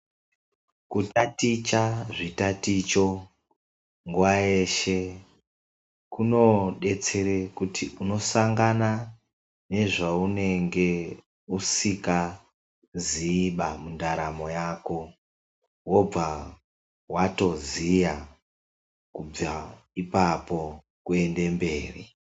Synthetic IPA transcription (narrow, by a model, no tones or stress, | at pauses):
kutatit͡ʃaʐitatit͡ʃo̞ | ŋɡuwaje̞ʃe̞ | kuno̞ɗe̞t͡se̞ɾekutʰiuno̞saŋɡana | ne̞ʐaune̞ŋɡe̞ | usika | ziːɓamundaɾamo̞jaːko̞ | wo̞b͡va | wato̞zija | kub͡va | ipapo̞ | kue̞nde̞mbe̞ːri